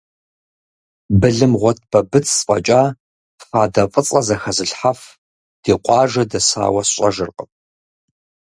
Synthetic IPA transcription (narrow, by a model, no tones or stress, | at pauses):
bɨɮɨmʁʷɔt̚ʰb̥ʰɐbɨt͡sʰsfʼɐ̰t͡ʃʼaː | faːdɐfʼət͡sʼɐzɐxɐzɨɬħaf | d̥iːqʷʼɑːʒɐdɐsa̰ːwɐsɕʼɐʒɨrqʼəp̚ʰʼ